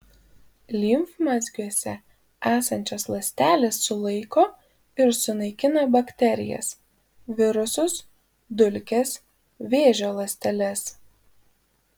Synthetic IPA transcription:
lʲiːmfmɑzʲɡʲuɔsʲɛ | æːsɐnʲt͡ʃʲoːslˠɐsʲt̪ʲæːlʲeːsːʊlˠɐɪkoː | ɪɾsʊnɐɪkʲɪnɐbɐkʲt̪ʲɛɾʲɪ̰jɛ̰s | ʋʲɪɾʊsʊs | d̪ʊlʲkʲes | ʋʲeːʒʲoːlˠɐsʲt̪ʲɛlʲɛs

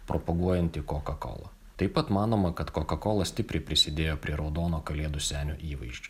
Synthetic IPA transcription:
pɾʔɔpɐɡuɔjɛnʲt̪ʲɪkoːkɐko̰ːlˠɐ̰ | t̪ɐɪpɐt̪mɑːnoːmɐkɐt̪koːkɐkoːlˠɐsʲt̪ʲɪpʲɾʲɛɪpʲɾʲɪsʲɪd̪ʲeːjoːpʲɾʲiɛɾɒʊd̪oːnoːkɐlʲeɛd̪ʊsʲæːnʲo̰ːʔiːʋɐɪʃʲt͡ʃʲʊ

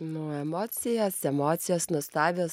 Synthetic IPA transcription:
nʊɛmoːt̪sʲɪjɛsɛmoːt̪sʲɪjoːsnʊst̪ɑːʋʲoː

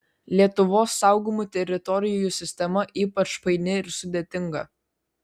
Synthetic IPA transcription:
lʲiɛt̪ʊʋoːsːɑˑʊɡomut̪ʲɛɾʲɪt̪ɔɾʲɪjoːjusʲɪsʲt̪ʲɛmɐʔiːpɐt͡ʃpɐɪnʲɪɪɾsʊd̪ʲeːt̪ʲɪŋɡɐ

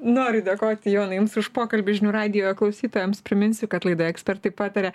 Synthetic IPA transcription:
noːɾʲɪd̪ʲɐkoːt̪ʲɪjoːnɐjʊmsʊʃpoːkɐlʲbʲʊʒʲɪnʲuːɾɑːd̪ʲɪjoːjɛklˠɐʊsʲiːt̪oːjɛmspʲɾʲɪmʲɪnʲsʲʊkɐt̪lˠɐɪd̪oːjɛksʲpʲɛrt̪ɐɪpɑːt̪ɐɾʲɛ

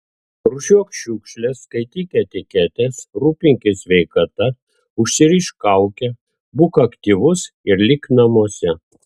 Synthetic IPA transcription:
ɾʊʃʲuɔkʃʲuːkʃʲlʲɛskɐɪt̪ʲiːkʲɛt̪ʲɪkʲɛt̪ʲɛsɾuːpʲɪŋʲkʲɪsʲʋʲɛɪkɐt̪ɐ | ʊʃʲsʲɪɾʲiʃkɐˑʊkʲɛ | bʊkɐkt̪ʲiːʋʊs | ɪɾlʲɪknɐmuɔsʲɛ

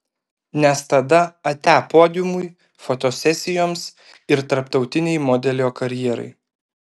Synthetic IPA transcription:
nʲɛst̪ɐd̪ɐɐt̪ʲæːpoːd̪ʲɪmʊj | fot̪oːsʲɛsʲɪjoːms | ɪɾt̪ɐɾpt̪ɒʊt̪ʲɪnʲɛɪmoːd̪ʲɛlʲoːkɐɾʲjiɛɾɐ̰ɪ

